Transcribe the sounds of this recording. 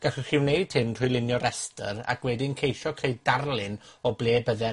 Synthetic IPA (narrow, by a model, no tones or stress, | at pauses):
ɡ̥aɬɪχɪwneɨd̥̚tʰɪmr̥ʰʊjlˠɪnjɔɾɛstə̰ɾa̰kʰwɛdinkʰejʃɔkʰeɨdarlˠɪnɔblˠeːbəðɛ